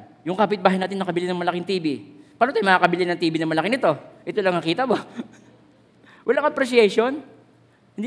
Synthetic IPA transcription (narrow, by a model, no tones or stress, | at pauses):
jʊŋkaːpɪt̪̚baːɦhɪjnaːt̪ɪnːɐkɐbɪlɪnɐŋmɐlɐkɪŋt̪iːbipaːnot̪ajmɐaːkɐbɪlɪnɐŋt̪iːbɪnɐŋmɐlɐkɪnɪt̪o̞ʔɛt̪olɐŋnɐkiːt̪ɐbo | wɐlaŋɐpɾɛsjɛjʃo̞n | hɪnd̪i